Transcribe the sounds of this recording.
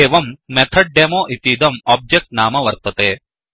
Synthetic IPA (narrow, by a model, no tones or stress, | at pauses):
eːʋɐmːet̪ʰɐɖ̚ɖeːmoːʔit̪iːd̪ɐmɔːb̚d͡ʒek̚ʈnaːmɐʋɐɾt̪ɐt̪eː